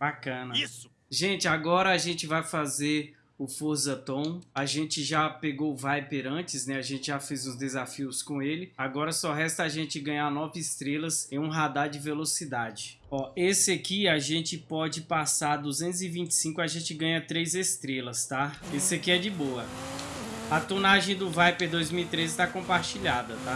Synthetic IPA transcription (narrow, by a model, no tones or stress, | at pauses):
bakɐ̃nɐis | ʒẽt͡ʃɪaɡɔɾɐaʒẽnt͡ʃɪvajfazeɾ | ʊfoɾzɐt̪õw̃aʒẽt͡ʃɪʒapeɡowʊvajpeɾɐ̃t͡ʃɪsnɛaʒẽnt͡ʃɪʒafezũzd̪ezafiʊskõelɪaɡɔɾɐsɔɦɛst̪ɐaʒẽt͡ʃɪɡɐ̃ɲanɔvɪɪst̪ɾelɐsẽũɦad̪aɾd͡ʒɪvelosid̪ad͡ʒɪ | ɔesɪɐkiaʒẽnt͡ʃɪpɔd͡ʒɪpasaɾd̪uzẽnt̪ʊzɪvĩnt͡ʃɪ̥sĩŋkʊaʒẽt͡ʃɪɡɐ̃ɲɐt̪ɾejzest̪ɾelɐst̪aesɪɐkiɛd͡ʒɪboɐ | ɐt̪onaʒẽj̃d̪ʊvajpeɾd̪ojzmiwit̪ɾezɪt̪akõpaɾt͡ʃiʎad̪ɐt̪a